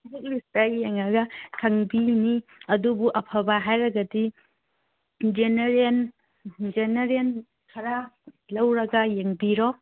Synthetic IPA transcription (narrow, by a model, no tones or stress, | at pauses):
zuk̚listaɡijeŋɐɡɐkʰɐŋbiniɐdubuʔɐpʰɐbaɦajɾɐɡɐdi | d͡ʒeneɾen | d͡ʒeneɾen | kʰɐɾa | lɐwɾɐɡɐjeŋbiɾo